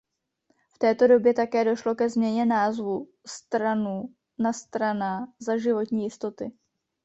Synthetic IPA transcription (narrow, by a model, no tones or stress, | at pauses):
ft̪ɛːt̪o̞do̞bjɛt̪akɛːdo̞ʃlo̞kɛzmɲɛɲɛnaːzvu | st̪ɾanu | nast̪ɾanazaʒɪvo̞t̪ɲiːjɪst̪o̞t̪ɪ